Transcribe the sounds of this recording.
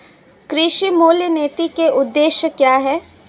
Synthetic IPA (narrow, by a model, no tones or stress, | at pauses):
kɾɪʃimoːljəneːt̪ikeʔʊd̪ːeːʃjəkjaːɦɛː